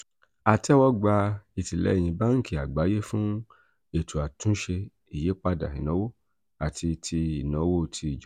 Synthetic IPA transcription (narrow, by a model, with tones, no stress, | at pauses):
a˨tɛ˦wɔ˦ɡ͡ba˧i˨ti˨lɛ̰˨˦i˦˨j̃ĩ˧ba˦ŋ̩˦ki˦˨a˨ɡ͡ba˨˦je˦fũ˦ | e˨tʰu˨a˨tũ˦ʃe˧ | i˨je˨˦k͡pa˧da̰˨ɦḭ̃˨nã˨˦wo˦ | a˨tʰi˧tʰi˧i˨nɔ̃˨˦wo˦tʰi˧˨d͡ʒ